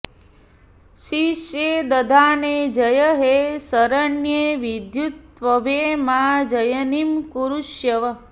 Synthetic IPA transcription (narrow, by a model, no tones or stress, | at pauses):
ʃiʃjeːd̪ɐd̪ʱaːneːd͡ʒɐjɐɦesɐɾɐɳjeːʋid̪jut̪ʋɐʋeːmaːd͡ʒɐjɐnimkuɾuʃjɐʋɐ